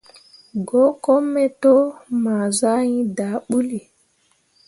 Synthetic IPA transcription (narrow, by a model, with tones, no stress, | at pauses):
ɡɔ˦kɔ˦mːɛ˦tɔ˦maː˨za˦jĩ˦da˨ɓu˦li˨